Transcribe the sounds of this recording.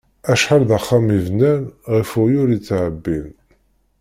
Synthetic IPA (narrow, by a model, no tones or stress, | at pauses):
æʃħalðaχːamivnænʁifʊjʊɾit͡sːʕəbːin